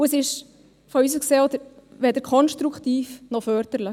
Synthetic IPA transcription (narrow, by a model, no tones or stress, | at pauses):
uəsɪʃ | fɔysəkseːɔd̪əɾ | ʋɛd̪əɾkʰɔnʃtɾukχt̪iːfnɔfœɾd̥əɾlə